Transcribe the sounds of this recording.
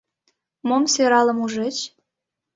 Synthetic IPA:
momseɾɑlɤ̆muʒet͡ɕ

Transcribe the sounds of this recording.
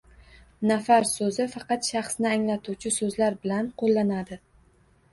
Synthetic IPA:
nafaɾsɵzɪfɑqɑt̪ʃɑχsnɪaŋlat̪ʰuwt͡ʃʰɪsɵzlaɾbɪlanqʰolːanad̪ɪ

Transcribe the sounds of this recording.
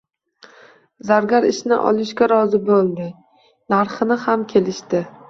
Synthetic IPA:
zaɾɡʲaɾɪʃnɪ̰ʔɒ̰lˠɪʃɡʲaɾɒzɪbolˠd̪ɪ | naɾχɨnɪhamkʲʰe̞lɪʃt̪ɪ

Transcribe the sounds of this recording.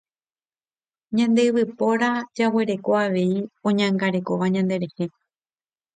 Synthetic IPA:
ɲãnd̪e̞ɨβɨpo̞ɾad͡ʒawe̞ɾe̞ko̞aʋe̞iõ̞ɲãŋɡaɾe̞ko̞ʋaɲãnd̪e̞ɾe̞he̞

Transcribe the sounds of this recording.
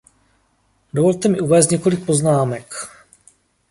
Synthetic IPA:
dovo̞lt̪ɛmɪʔuvɛːst̪ɲɛko̞lɪk̚po̞znaːmɛk

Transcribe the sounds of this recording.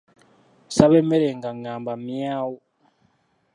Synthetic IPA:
saβemeɾeŋɡaŋaːmbamjaːwo

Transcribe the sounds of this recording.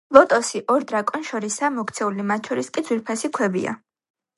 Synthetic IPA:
lˠɔt̪ʼɔsiʔɔɾd̪ɾakʼɔnʃɔɾisamɔkt̪sʰɛulimat̪̚ʰʼt͡ʃʰɔɾiskʼid̪zwiɾpʰasikʰwɛbḭa̰

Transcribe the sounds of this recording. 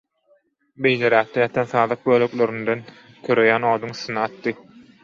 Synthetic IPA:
be̞jleɾæːk̚t̪ejɑt̪ʰɑnθɑːðɑq̚bøːløklø̞ɾynd̪en | k̪ʰøɾøjæːnoːd̪uŋsɯnɑɑt̪ːɯ

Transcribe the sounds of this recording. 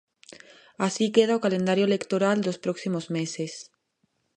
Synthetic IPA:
asikeð̞aokalẽnd̪aɾjoelekt̪oɾald̪ospɾɔksimozmeses

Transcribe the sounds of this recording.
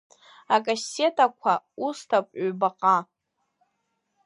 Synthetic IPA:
akʼase̞tʼakʷʰaustʰapʷʼɥbaqʼa

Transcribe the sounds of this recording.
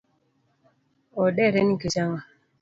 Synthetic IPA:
oɗɛɾeniket͡ʃaŋa

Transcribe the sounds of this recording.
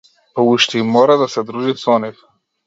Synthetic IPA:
pɔuʃt̪ɛimɔɾad̪asɛd̪ɾuʒisɔnif

